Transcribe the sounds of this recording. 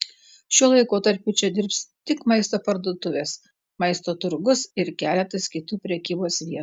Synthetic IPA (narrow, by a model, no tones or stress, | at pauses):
ʃʲuɔlˠɐɪkoːt̪ɐɾʲpʲʊt͡ʃʲɛd̪ʲɪɾpst̪ʲɪkmɐɪst̪oːpɐɾd̪uɔt̪ʊʋʲeːs | mɐɪst̪oːt̪ʊɾɡʊsɪɾkʲæːlʲɛt̪ɐskʲɪt̪uːpʲɾʲɛkʲiːboːsʋʲiɛ